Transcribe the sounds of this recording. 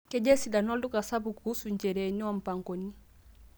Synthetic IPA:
kɛ˦d͡ʒɛ˦si˨da˨nɔ˦lu˦ka˨sa˦bu˨ku˨u˦su˨ɲd͡ʒɛ˨ɾɛ˨ni˦a˦m̩˨pa˨ŋɡɔ˨ni˦

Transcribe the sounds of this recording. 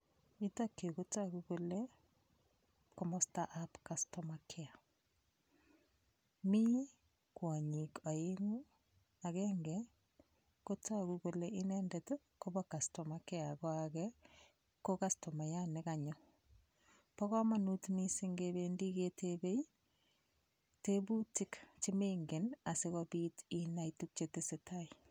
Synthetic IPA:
itake˨ɣo˦taɣuɣo˦le | komo˦sta˦ʔapkastomakʰea˨ | mi˦ | kwa˨ɲika˨eŋu˦ | a˨ɣeŋɡe | ko˦ta˦ɣuɣo˦leʔi˦neːndeto˦ | ko˦bɔ˦ka˨sto˨make˦a˨kɔ˦akɛ | ko˦ka˦sto˨ma˨ja˦nɪ˨ka˨ɲo˦ | pɔ˦ɣɔ˦ma˦nu˦tmi˦si˦ŋɡebendi˦ke˦tʰebe˦i | te˦bu˦tɪ˦kt͡ʃi˦meŋɡe˨na˨se˦ɣɔ˦biːti˦na˦itu˦k̚t͡ʃete˦se˨tʰa˦i˨

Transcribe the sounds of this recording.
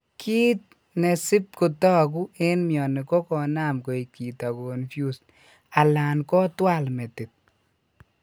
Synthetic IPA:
kʰi˦t̪̚ | ne˨sɪ˦p̚ko˨tɔ˦k̬u˦e˦nmjɔ˨ne˨kɔ˦kɔ˨na˦mko˨i˨k̚ki˨ta˨konfju˦s | a˨la˨nkɔ˦twa˦lmɛ˨tɪ˨t̚

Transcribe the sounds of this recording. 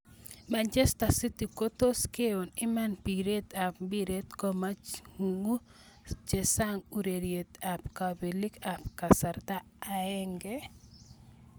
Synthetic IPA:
ma˨nt͡ʃe˦sta˨si˦ti˨ko˦to˦ske˦o˨nɪ˦ma˦npi˨ɾe˦t̪a˨pmbi˦ɾe˦t̪kɔ˦ma˦ŋu˨ŋu˦ | t͡ʃe˨sa˦ŋu˨ɾe˨ɾje˨t̪a˨pkabe˨li˦ka˨p̚ka˨sa˨ɾt̪aː˦˨ | ɛ˦ŋɡɛ˦

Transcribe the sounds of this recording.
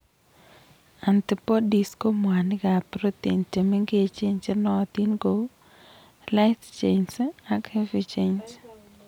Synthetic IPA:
a˨nt̪i˨po˦di˨sko˦m˨a˨nɪ˦ɡa˨pɾo˦t̪i˨nte˨me˦ŋɡe˦t͡ʃe˦ɲt͡ʃe˦nɔ˦˨t̪i˦nɡo˨˦ | la˦ɪt̪t͡ʃe˨nsa˦khe˦fi˨t͡ʃe˦ɲs

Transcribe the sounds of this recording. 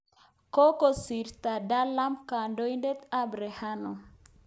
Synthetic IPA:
ko˦ko˨si˨ɾt̪a˨da˦la˦mka˨ndo˦jnde˦t̪a˦˨bɾe˨ha˦no˨

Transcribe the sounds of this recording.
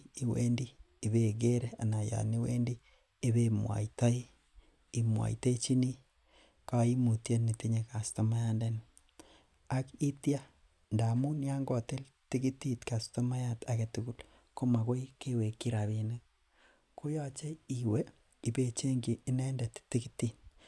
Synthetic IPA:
i˨wḛ˦ndiː˦˨ | βe˨ɡe˦ɾea̰˨na˨ja̰˨ni˦wḛ˦ndiː˦ | βemwa̰˨ita˦i˦ | i˨mwa̰˨ḭte˦t͡ʃi˦ni˦ | ka˦i˦mu˨tje˦nːi˨ti˦ɲeka˨sto˦ma˦jande˦n | a˦ki˦tja˦ | nda˨mu˦nja˦ŋɡɔ˨te˦l | ti˦ki˦ti˦tka˨sto˦ma˦ja˦ta˨ke˨tuku˦l | ko˦ma˨ko˦ike˦we˨ki˦ɾa˨βine˦k̚ | ko˦ja˦t͡ʃe˦iwe˦ | i˨be˨t͡ʃe˦ŋɡiː˨˦nɛ˦ndɛ˨tti˦ki˦ti˨t̚

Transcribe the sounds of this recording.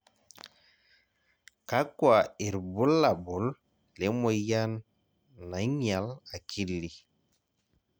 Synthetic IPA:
ka˦kwa˨i˨ɾbu˦lːa˨bu˨l | le˨˦mo˨ja˦nː | a˨˦ɲa˨la˨kʰi˦lli˨

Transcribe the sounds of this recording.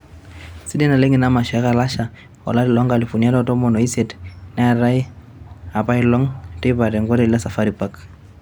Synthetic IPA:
si˦dɛ˦na˨le˦ŋɪ˨na˦ma˨ʃɔ˨a˦ka˨la˦ʃa˨ | ɔ̰˨la˦ɾɪ˨lɔ˦ŋka˨li˨fu˨nia˦dɔ˦tɔ˦mɔ˨nɔ˨i˦sɛ˨tna˦a˨ɾa˦i˦ | a˨pa˦ɪlɔ˦ŋtɪ˦pa˨tɛ˨ŋɡɔ˦ɾe˨lila˦sa˨fa˦ɾi˨pa˦k

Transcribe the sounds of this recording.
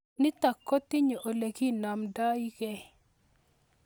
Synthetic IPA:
nɪ˦t̪a˨kːɔ˦t̪ɪ˦ɲo˨ʔo˨le˨ki˦na˨mda˦i˦ke˨

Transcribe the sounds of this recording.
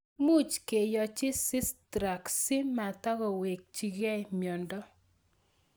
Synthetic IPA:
mu˦˨t͡ʃke˨jɔ˨t͡ʃɪ˦sɪ˦stɾa˨ksɪ˦ma˨ta˦ɡɔ˨we˨k̚t͡ʃi˨ɡɛ˦˨mjɔ˨ndɔ˦

